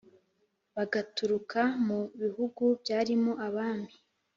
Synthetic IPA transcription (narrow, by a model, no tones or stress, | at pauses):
βaɡatuɾukamuβihuɡubjaːɾimo̞ʔaβaːmi